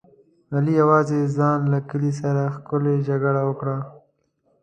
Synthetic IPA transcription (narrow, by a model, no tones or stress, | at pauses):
alijawɑːzezɑːnlakəlis̬aɾaxkʊled͡ʒaɡəɽawokɽa